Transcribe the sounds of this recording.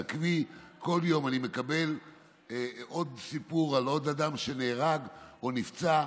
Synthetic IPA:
kviko̞ljo̞manime̞kabe̞l | ʔo̞d̪sipuʁalo̞d̪ad̪amʃe̞neːʁaɡonift͡sa

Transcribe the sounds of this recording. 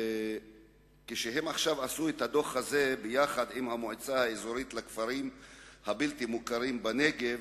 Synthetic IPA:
keʃeɦe̞maχʃavasuet̪had̪o̞χhazebejaχad̪imhamoʕet͡sahaezoɾit̪lakfaɾimhabilt̪imukaɾimbaneɡev

